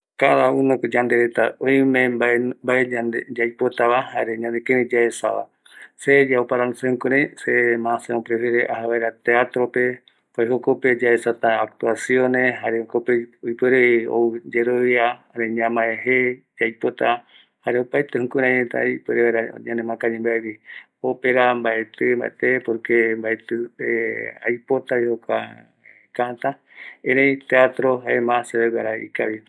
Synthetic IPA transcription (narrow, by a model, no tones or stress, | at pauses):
kaðaunokod͡ʒand̪eɾet̪aõjmẽmmbaead͡ʒajpot̪aβahaɾe̞ɲãnd̪ekẽnĩd͡ʒaesa̰βa̰ | sed͡ʒaopaɾanosehũkũɾãj̃semãseopɾefeɾeʔaɦaβaeɾat̪eat̪ɾo̞pe̞ | poehokoped͡ʒaesat̪aːk̚t̪uasiõneɦaɾeokopeojpweɾeo̰ud͡ʒeɾoβiaaɾeɲãmãeɦe | d͡ʒajpot̪a | haɾeopaet̪ehũkuɾãɲet̪a̰peɾeaɾa̰ɲãnẽmãkãɲẽmbaeβi | opeɾambaet̪emba̰ʔḛt̪epoɾkembaet̪ɨea̰jpo̞t̪aβihoka̰ | kat̪a | ẽɾejt̪eat̪ɾoɦaemãseβewaɾaḭkaβi